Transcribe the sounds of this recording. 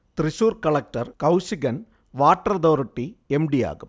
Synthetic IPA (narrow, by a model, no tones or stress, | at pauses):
t̪ɾɪsuːɾkɐɭɐk̚ʈɐɾkɐʊsɪɡɐn | ʋaːʈːɾɐd̪oːɾɪʈːiɛmɖija̰ːɣɯm